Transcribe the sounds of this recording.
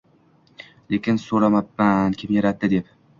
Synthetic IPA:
lekʲɪnsoɾamapːankʲʰɪmjaɾat̪ːɪd̪ep

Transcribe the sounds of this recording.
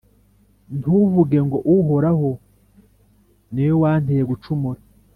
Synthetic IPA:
nuvuɡe̞ŋɡo̞ʔuɦoɾaɦo | nejowaːn̥ejeɡut͡ʃumuɾa

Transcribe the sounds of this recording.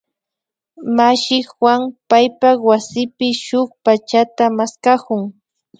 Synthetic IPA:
maʃɪxwaŋpajpawasɪpɪʃʊχpat͡ʃat̪amaskakʊŋ

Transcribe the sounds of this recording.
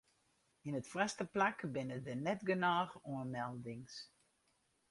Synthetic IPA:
inətfrɛstəplakbɪnədənɛtɡənaːxɔənmɛlˠdɪŋs

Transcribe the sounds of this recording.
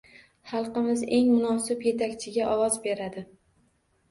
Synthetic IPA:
χɑlˠqɨmɪze̞ŋmʊnɒsɪbje̞t̪ʰakʲt͡ʃʰɪɡʲaʔɒwɒzbe̞ɾad̪ɪ

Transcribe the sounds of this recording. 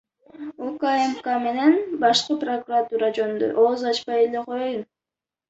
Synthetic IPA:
okaemkame̞ne̞nbɑʃqɯprokurat̪uːɾad͡ʒonnd̪o̰ʔoːzɑt͡ʃpɑjeleqʰo̞jojun

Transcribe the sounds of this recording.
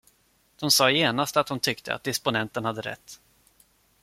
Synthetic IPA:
d̪̥ɔmsɑːjeːnast̪at̪̚d̪ɔmt̪ʰʏkt̪ʰə̰a̰d̪ɪspʊnɛnt̪ənhad̪ːəɾɛ̰t̪ː

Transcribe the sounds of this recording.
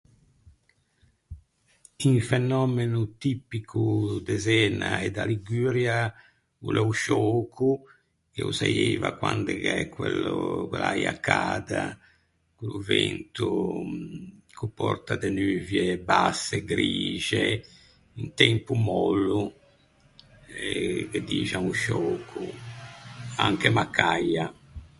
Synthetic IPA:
iɱfɛnɔːmenut̪ipːikʰud̪ɛzɛːnaɛd̪aliɡyːɾja | ulɛuʃɔːkʰu | k̟eusajeːvakwand̪ɛkɛkːwɛlukwɛlajakʰːaːd̪a | kuluvɛnt̪u | kupːɔrt̪ad̪ɛnyːvjɛbasːɛɡɾiːʒɛ | int̪ɛmpumɔlːu | ɛked̪iːd͡ʒaŋuʃoːkʰːu | aŋkemakʰːajːa

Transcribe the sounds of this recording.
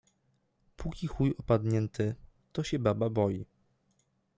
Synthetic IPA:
pʰukʲixujɔpad̪ɲɛnt̪ɘ | t̪ɔɕɛbababɔji

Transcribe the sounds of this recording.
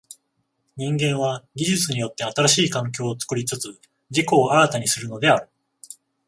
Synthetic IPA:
ɲ̟ĩŋɡẽ̞ɰ̃βaɡʲiʑɨt͡sɨɲ̟ijo̞t̪ːe̞at̪aɾaɕiːkãŋk̬ʲo̞ːt͡sɨ̥kɯ̟ɾʲit͡sɨt͡sɨ | d͡ʑiko̞ːaɾat̪aɲ̟isɨɾɯ̟no̞d̪e̞aɾɯ̟

